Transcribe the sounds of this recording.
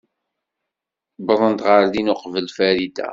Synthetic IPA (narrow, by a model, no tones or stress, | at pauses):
bðˤənt̪ʁəɾðinʊqvəlfæɾid̪æ̰